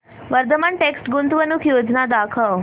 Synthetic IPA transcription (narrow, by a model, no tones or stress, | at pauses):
ʋəɾd̪əmaɳʈeksʈɡunt̪ʋənukʰjoːd͡ʒnad̪akʰəʋ